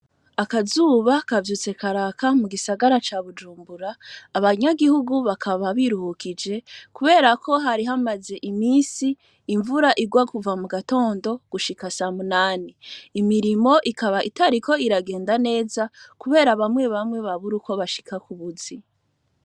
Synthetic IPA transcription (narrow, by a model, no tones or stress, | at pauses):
akazuːβakavjuːt͡se̞kʰaɾakamuɡisaɡaɾat͡ʃaβud͡ʒuːmbuɾaːβaɲaɡihuɡuβakʰaβaβiɾuhukid͡ʒe̞kuβe̞ːɾakʰo̞ɦaɾiɦamaze̞ʔimiːsiː | ɱvuɾaʔiɡwakuvamuɡato̞ːndo̞ɡ̥uʃikasamunaːniːmiɾimo̞ʔikaβaʔitaɾiko̞iɾaɡe̞ːndane̞ːzakuβe̞ːɾaβamwe̞βamŋwe̞βaβuɾuko̞βaʃi̥kʰakuβuzi